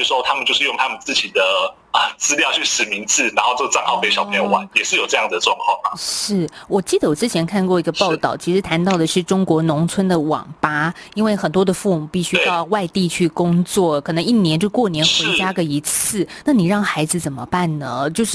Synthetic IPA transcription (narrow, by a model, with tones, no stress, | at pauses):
jo˩s̩˥˩ʂwɔ˥t̪ʰa˥mə˨nt͡ɕjo˥˧ʂɻ̩˥˧jʊ˥˧ŋt̪ʰa˥mə˨nt͡sɹ̩˥˩t͡ɕi˨˩d̪ə˦ | ə˨˩t͡sɹ̩˥ljɑ˥˧t͡ɕʰy˥˩ʂɻ̩˨˩mi˧˥ŋt͡sɹ̩˥˩na˧˥nxo˥˧ʊʈ͡ʂə˥˩ɡə˩t͡sɑ˥˧ŋxɑ˥˩ʊpe˧˥ɪɕɑ˨˩pʰe˧˥jo˧ʊwa˧˦njɛ˨˩ʂɻ̩˥˩jo˨˩ʊʈ͡ʂɤ˥˧jɑ˥˩ŋd͡zd̪ə˩ʈ͡ʂwɑ˥˧ŋkʰwɑ˥˩ŋma̰˩ʂɻ̩˥˩wɔ˨˩t͡ɕi˥˩d̪ə˩wɔ˨˩ʈ͡ʂɻ̩˥t͡ɕʰjɛ˧˥nkʰa˥˧nkwɔ˥˩i˧˥ɡə˧pɑ˥˧ʊt̪ɑ˥˩ʊt͡ɕʰi˧˥ʂɻ̩˧˥t̪ʰa˧˥nt̪ɑ˥˩ʊd̪ə˩ʂɻ̩˥˩ʈ͡ʂʊ˥ŋkwɔ˧˥nʊ˧˥ŋt͡sʰwə˥nd̪ə˨wɑ̰˨˩ŋpa˥i˥nwe˥˩ɪxə˨˩nt̪wɔ˥d̪ə˨fu˥˩mu˨˩pi˥˩ɕy˥˧e˧ɑ˥˧ʊwa˥˧ɪt̪i˥˧t͡ɕʰy˥˩kʊ˥ŋt͡swɔ˥˩kʰɤ˨˩nɤ˧˥ŋi˥˩njɛ˧˥nt͡ɕo˥˧˩kwɔ˥˩njɛ˧˥nʂxwe˧˥ɪ˥t͡ɕja˥ɡə˨i˧˥t͡s̩ʰ˥˩na˥˩ni˨˩ɻɑ˥˩ŋxa˧˥ɪd͡zɹ̩˧t͡sə˨˩nmə̰˦pa˥˩nnə˩t͡ɕjo˥˧ʊʂɻ̩˥˩